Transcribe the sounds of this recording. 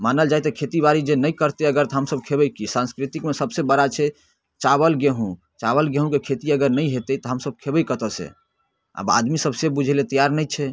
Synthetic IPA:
manəld͡ʒajt̪ɔkʰet̪ibaɾid͡ʒenəjkəɾt̪eəɡəɾt̪ɔɦəmsəb̚kʰebəjkisãnskɾit̪ikmesəbsebəɾat͡ʃʰɛ | t͡ʃaβəlɡeɦũ | t͡ʃaβəlɡeɦũkekʰet̪iəɡəɾnəjɦet̪ət̪ɔɦəmsəbkʰebəjkət̪əsḛ | a̰ba̰d̪misəbsebud͡ʒʱelet̪əjaɾnəjt͡ʃʰɛ

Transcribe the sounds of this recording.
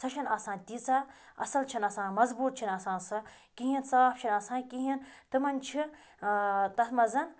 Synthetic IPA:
sɐʃʰɐnɐsãːnt̪it͡saː | ɐ̰sɐlt͡ʃʰinɐsãːmɐzbuːt̪̚t͡ʃʰinɐsãːnsɐ | kiɦinsaːp̚t͡ʃʰinɐsãːnkiɦint̪ɨmɐnt͡ʃʰi | t̪ɐt̪ʰmɐzɐn

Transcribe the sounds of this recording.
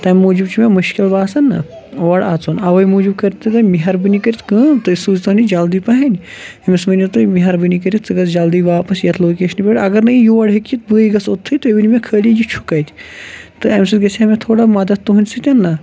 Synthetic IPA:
t̪ɐmʲmuːd͡ʒibt͡ʃimʲemuʃkʲilʋaːsɐnːɐ̰ | ʋɐɽat͡sonɐʋɐjmuːd͡ʒib̚kɐɾʲt̪ːɐt̪ɐmiɦɐɾbɨnikɐɾʲit̪kɐːt̪ɨsuzʲt̪ɐnʲid͡ʒaːld̪iːpɐɦɐnʲ | ɐmismɐnʲt̪umiɦɐɾbɨnikɐɾʲit̪̚t͡sɨɡɐsd͡ʒaːld̪iːʋaːpɐsjɐt̪ʰloːkeːʃɐnpʲeɽʲɐɡɐɾnɐijuʋɐɽɦekit̪̚bɨːjɡɐsot̪ʰːɨjt̪oiʋilʲimʲekʰəːlijit͡ʃʰu̥kɐjt̪ʲt̪ɨɐmʲsɨt̪ɡɐsʲɐmʲet̪ʰoːɽamɐd̪ɐt̪̚t̪ːuɦunʲsɨt̪ʲɐnːɐ

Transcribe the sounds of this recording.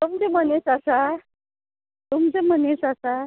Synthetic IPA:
t̪umt͡sem̤ənesasa | t̪umt͡sem̤ənesasa

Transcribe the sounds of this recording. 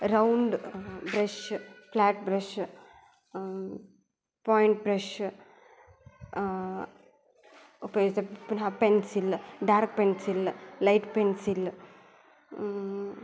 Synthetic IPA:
ɾɐwɳɖbɾɐʃflaːʈbɾɐʃ | poːjɳʈ̚bɾeʃ | upɐjoːd͡ʒt̪epnapensilɖaːɾk̚pensillajʈpensil

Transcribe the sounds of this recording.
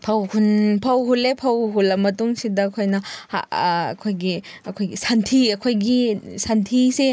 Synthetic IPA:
pʰɐwkʰunpʰɐwɦulepʰɐwɦulɐmɐtuŋsidɐkʰojnɐha̰ɐ̰kʰojɡiɐkʰojɡisantʰiɐkʰojɡisantʰise

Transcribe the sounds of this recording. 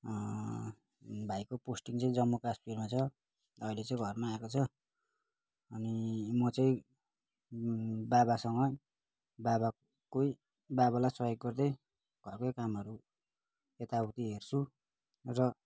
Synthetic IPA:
bʱajkoposʈiŋt͡sʌĩd͡zʌmːokaspirmat͡sʰʌ | ʌilet͡saĩɡʱʌrmaːekot͡sʰʌ | ʌnimʌt͡sʌĩ | babasʌŋʌ | baba | koi | baβalajsʌjoɡːʌrd̪ʌj | ɡʱʌrkʌjkamʌɾu | et̪aut̪iɦert͡sʰu | rʌ

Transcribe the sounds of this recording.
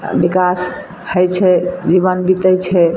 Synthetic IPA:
bikas | həjt͡ʃʰɛd͡ʒiβənbit̪ət͡ʃʰɛ

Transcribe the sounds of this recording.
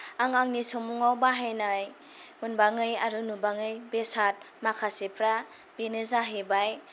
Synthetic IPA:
aŋaŋnisɔmuŋawbaɦajnaj | unbaŋɯjaɾunubaŋɯjbesat̚ | makʰasepʰɾa | binɯzaɦebaj

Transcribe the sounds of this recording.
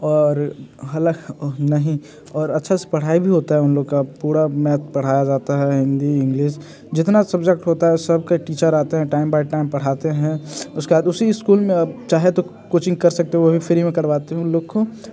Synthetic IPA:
ɔːɾɦɐləknɐɦĩ | ɔːɾɐtːʃʰase̥pɐɽ̤aːibʱiɦoːt̪aɦɛʊnloːɡkapuːɾamɛːt̪̚ʰpɐɽ̤aːjad͡ʒaːt̪aɦɛɦɪ̃nd̪iɪ̃ŋɡliːʃ | d͡ʒɪt̪nasɐbd͡ʒɛk̚ʈɦoːt̪aɦɛsɐb̚kaʈiːt͡ʃəɾaːt̪eɦɛ̃ʈaːɪmbaɪʈaːɪmpɐɽ̤aːt̪eɦɛ̃ʊskebaːd̪ʊsiɪskuːlmẽt͡ʃaːɦet̪o | koːt͡ʃɪ̃ŋɡ̚kɐɾsɐk̚t̪eɦɛʋobʱifʰɪɾimẽkɐɾʋaːt̪eɦɛ̃ʊ̃nloːɡko

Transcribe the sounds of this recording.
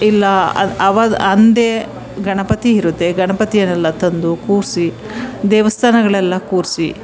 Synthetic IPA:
ilːɐɐ̰ɐʋɐd̪ɐnd̪eː | ɡɐɳɐpɐt̪iiɾut̪ːeɡɐɳɐpɐt̪ijɐnɛlːɐt̪ɐnd̪ukuːɾsi | d̪ɛːʋɐst̪ʰaːnɐɡɐɭɛlːɐkuːɾsi

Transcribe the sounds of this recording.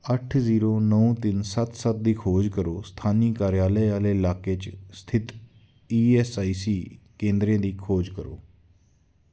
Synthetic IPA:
əʈʰziːɾoːnəũt̪ɪnsət̪sət̪̚d̪iːkʰoːd͡ʒkəɾoːst̪ʰaːniːkaːɾjaːləːaːleːɪlaːkeːt͡ʃst̪ʰɪt̪ | iːɛːsaːiːsiːkẽːnd̪ɾẽːd̪iːkʰoːd͡ʒkəɾo̰ː

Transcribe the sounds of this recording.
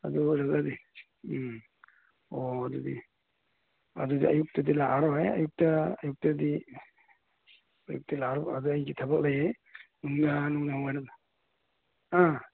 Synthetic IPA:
a̰duɾazadi | ɔadudi | a̰dudiajuk̚tadilaʔaɾɔaja̰juk̚taajuk̚tadi | ajṵk̚tilaːɾɔaduajɡitʰabaklaja | nuŋnanuŋnahɔŋajnana | a

